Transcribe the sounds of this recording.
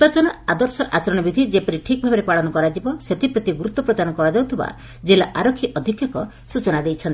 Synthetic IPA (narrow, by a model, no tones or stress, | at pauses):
bat͡ʃɔnɔad̪ɔɾsɔʔat͡ʃɔɾɔɽ̃ɔbid̪ʱid͡ʒepɔɾiʈʰikɔbʱabɔɾepaɭɔnɔkɔɾad͡ʒibɔset̪ʰipɾɔt̪iɡuɾut̪ːɔpɾɔd̪anɔkɔɾad͡ʒaut̪ʰiba̰ | d͡ʒelaʔaɾɔkʰːiʔɔd̪ʱikʰjɔkɔ | sut͡ʃɔnad̪ejt͡ʃʰɔnt̪i